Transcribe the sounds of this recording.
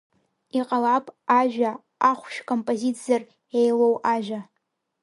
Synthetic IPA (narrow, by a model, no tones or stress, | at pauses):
iqʼalapʼaʒᶣa | aχʷʃᶣkʰʼompʼozit͡sʰʼijar | ejlowʔaʒᶣa